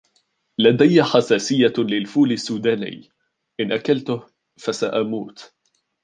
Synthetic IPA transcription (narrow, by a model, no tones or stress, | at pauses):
lad̪ajːaħasaːsɪjːalɪlfuːlɪsːuːd̪aːnɪ̰ː | ʔɪnʔakalt̪ʊh | fasaʔamuːt̪